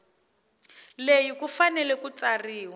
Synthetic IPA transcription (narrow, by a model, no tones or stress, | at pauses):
lejikufanɛlɛkut͡sariːwa